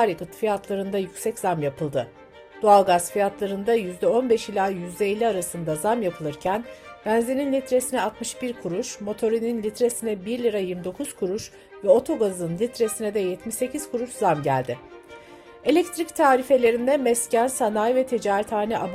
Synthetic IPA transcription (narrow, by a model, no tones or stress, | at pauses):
aɾikɯt̪fijat̪ʰlˠaɾɯnd̪ajycʲsɛcz̥amjapʰɯlˠd̪ɯ | d̪̥oalˠɡazfijat̪lˠaɾɯnd̪ajyzd̪ɛo̞nbɛʃilʲaːjyzd̪ɛilʲːiaɾasɯnd̪azamjapʰɯlˠɯɾcʰænbænzeninlʲit̪ɾe̞sinɛat̪mɯʃbiɾkʰuɾuʃmo̞t̪ʰo̞ɾininlʲit̪ɾe̞sinɛbiɾlʲiɾajiɾmd̪o̞kʰuz̥kʰuɾuʃ | vɛo̞t̪ʰo̞ɡazɯnlʲit̪ɾe̞sinɛd̪ɛjɛt̪miʃse̞cʰiz̥kʰuɾuʃzamɟæ̰lʲd̪ɪ | e̞lʲɛc̚t̪ʰɾict̪ʰaːɾife̞lʲe̞ɾind̪ɛmɛscænsanajvɛt̪ʰed͡ʒaːɾit̪ʰaːnɛʔab